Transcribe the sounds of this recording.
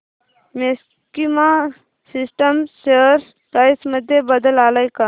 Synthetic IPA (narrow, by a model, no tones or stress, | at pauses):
mes | kima | sisʈəmseɾs | pɾaːjsməd̪ʱjebəd̪əlaːləjka